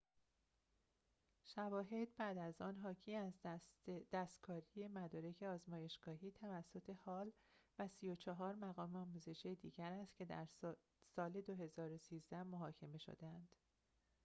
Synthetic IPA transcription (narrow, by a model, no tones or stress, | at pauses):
ʃævɒːɦe̞d̪̚bæːd̪æzɒːnɦɒːcʰiːæz | d̪̥æst̪kʰɒːɾije̞mæd̪ɒːɾe̞cʰe̞ɒːzmɒːje̞ʃɡ̥ɒːɦiːt̪ʰævæsːo̞t̪ʰe̞hɒːl | væsijo̞t͡ʃʰɒɦɒːɾmæɣɒːmeɒːmuːze̞ʃijed̪iːɟæɾæst̪cʰe̞d̪æɾ | sɒːle̞d̪oɦe̞zɒːɾosiːzd̪æmoɦɒːcʰe̞me̞ʃo̰d̪eænd̪̥